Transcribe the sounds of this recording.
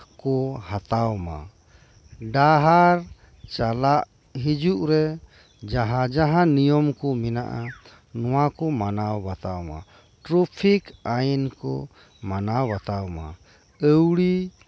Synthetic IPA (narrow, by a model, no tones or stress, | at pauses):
kɔhat̪awma̰ | ɖaɦaɾ | t͡ʃalaʔ | ɦid͡ʒuʔɾɛ | d͡ʒaɦad͡ʒaɦanijɔmkɔmɛnaʔa | nɔwakɔmanawbat̪awma̰ | ʈɾupʰikainkɔ | manawbat̪awma̰ | əwɽi